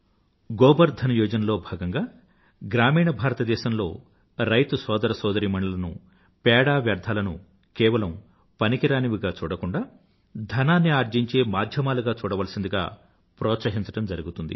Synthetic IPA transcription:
ɡɔːbɐɾd̪ʱɐnɐjɔːd͡ʒɐnɐlo̞ːbʱaːɡɐŋɡaː | ɡɾaːmiːɳɐbʱaːɾɐt̪ɐd̪ɛːʃɐmlo̞̰ː | ɾɐjt̪usɔːd̪ɐɾɐsɔːd̪ɐɾiːmɐɳulɐnṵ | pɛːɽaːʋjɐɾd̪ʱaːlɐnṵ | kɛːʋɐlɐm | pɐnikiɾaːniʋiɡaːt͡ʃuːɽɐkuɳɖaː | d̪ʱɐnaːnːiaːɾd͡ʒiɲt͡ʃe̞ːmaːd̪ʱjɐmaːluɡaːt͡ʃuːɽɐʋɐlɐsind̪uɡa̰ː | pɾɔːt̪sɐɦiɲt͡ʃɐʈɐmd͡ʒɐɾuɡut̪und̪ḭ

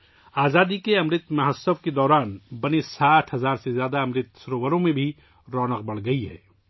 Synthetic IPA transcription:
aːzaːd̪ikeɐmɾɪt̪mɐɦəsəbked̪ɔːɾaːnbɐnesaːʈʰɦɐzaːɾsezjaːd̪aɐmɾɪt̪sʊɾoːʋəɾõmẽbʱi | ɾɔːnəq̚bɐɽ̤ɡɐiɦɛ̰ː

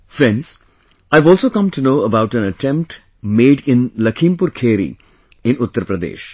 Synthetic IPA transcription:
fɾɛ̃ɳɖz̥ | aɪʋɔːlsoːkʌ̃mʈunoːəbaʊʈæ̃nəʈʰɛ̃mp̚ʈ | meːɖɪ̃nlɐkʰĩmpʊɾkʰeːɾḭ | ɪ̃nʊt̪ːəɾəpɾəd̪ḛːʃ

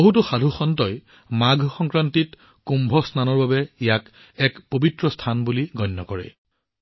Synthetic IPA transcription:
boɦutɔxadʱuxɔntɔj | maɡʱxɔŋkɹantit | kumbʱɔsnanɔɹbabɛijak | ɛkpobitɹɔstʰanbuliɡɔjnːɔkɔɹɛ̰

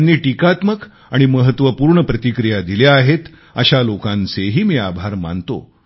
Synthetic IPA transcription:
nːiːʈikat̪mək | aɽ̃iməɦət̪ʋəpuːɾɳəpɾət̪ikɾijad̪iljaːɦet̪ | əɕalokãnt͡seɦiːmiːabʱaɾma̰nt̪o̰

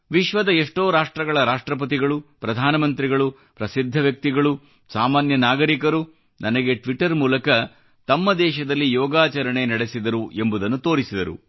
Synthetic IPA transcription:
ʋiʃʋɐd̪ɐeʂʈo̞ːɾaːʂʈɾɐɡɐɭɐɾaːʂʈɾɐp̬ɐt̪iɡɐɭupɾɐd̪ʱaːnɐmɐnt̪ɾiɡɐɭu | pɾɐsid̪ʱːɐʋjɐk̚t̪iɡɐɭu | saːmaːnjɐnaːɡɐɾikɐɾu | nɐnɐɡe̞ʈʋiʈɐɾmuːlɐkɐ | t̪ɐmːɐd̪ɛːʃɐd̪ɐlːijɔːɡaːt͡ʃɐɾɐɳe̞nɐɽe̞sid̪ɐɾuʔe̞mbud̪ɐnːut̪o̞ːɾisid̪ɐɾṵ

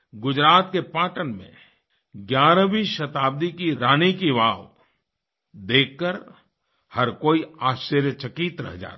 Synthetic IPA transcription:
ɡʊd͡ʒɾaːt̪̚kepaːʈənmḛ̃ | ɡjaːɾə̃biʃɐt̪aːb̚d̪ikiɾaːnikiʋaːw | d̪eːkːəɾ | hɐɾkoːiaːʃəɾjət͡ʃɐkit̪ɾɛ̰ɦd͡ʒa̰ːɾ

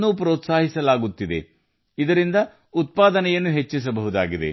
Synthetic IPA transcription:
nːuːpɾɔːt̪saːɦisɐlaːɡut̪ːid̪e̞̰ | id̪ɐɾind̪ɐ | ut̪̚paːd̪ɐnɛjɐnːuɦe̞t͡ʃːis̬ɐbɐɦud̪aːɡid̪e̞̰

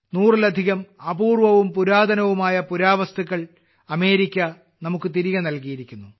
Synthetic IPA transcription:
nuːrilɐd̪ʱiɣɐmɐbuːrʋɐʋumpuɾaːd̪ɐnɐʋumaːjɐpuɾaːʋɐst̪ɐɣːɐɭ | ɐme̞ːɾikʲːɐ | nɐmukːɨt̪iɾiɣɐnɐlkijiɾikʲːunːu

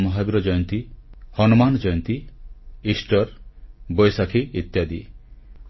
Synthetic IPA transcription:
mɔɦabiɾɔd͡ʒɔjɔnt̪ihɔnɔmanɔd͡ʒɔjɔnt̪iisʈɔɾbɔjsakʰiit̪jad̪i

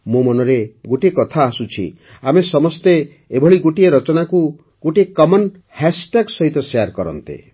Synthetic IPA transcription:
mõmɔnɔɾeɡoʈiekɔt̪ʰaːsut͡ʃʰḭ | amesɔmɔst̪e | ebʱɔɭiɡoʈieɾɔt͡ʃɔnaku | ɡ̥oʈiekɔmɔn | hɛsʈeɡsɔɦit̪ɔseaɾkɔɾɔ̰nt̪ḛ

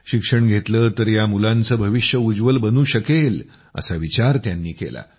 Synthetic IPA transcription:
ɕikʂəɳɡʱet̪ləːt̪əɾjamulãnt͡səːbʱəʋiɕjəud͡zʋəlbənuːɕəkel | ə̰saʋit͡ɕaɾt̪janːiːkḛla̰

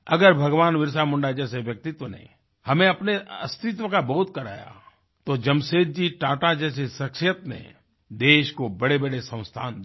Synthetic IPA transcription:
ɐɡəɾbʱɐɡʋaːnʋɪɾsamʊ̃ɳɖad͡ʒɛːseʋjɐk̚t̪ɪt̪ʋənḛ̃ | hɐmẽɐpneɐst̪ɪt̪ʋəkaboːt̪̚kɐɾa̰ːja̰ | t̪od͡ʒɐmseːd̪̚d͡ʒiʈaːʈad͡ʒɛːs̬esɐkʃjət̪nḛ | d̪eːʃkobɐɽebəɽesə̃ʊ̃st̪ʰaːnd̪

